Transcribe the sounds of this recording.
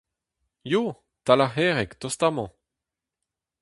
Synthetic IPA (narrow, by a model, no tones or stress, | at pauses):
jo | t̪alahɛʁɛkt̪ɔst̪amɑ̃